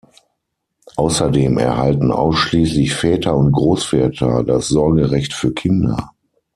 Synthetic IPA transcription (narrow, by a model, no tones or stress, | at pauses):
ʔaʊsɐdeːmɛ̰ɐhaltn̩ʔa̰ʊsʃliːslɪçfɛːtʰɐʊnt̚ɡ̥ʁoːsfɛːtʰɐ̰dasz̥ɔɐɡəʁɛçtfyːɐkʰɪndɐ̰